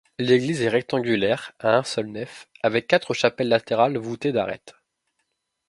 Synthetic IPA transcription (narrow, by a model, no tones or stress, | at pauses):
leɡlizɛʁɛk̚t̪ɑ̃ɡʲylɛʁaɛ̃sœlnœfavɛkːat̪χəʃapɛlːat̪eʁalvut̪ed̪a̰ʁɛ̰t̪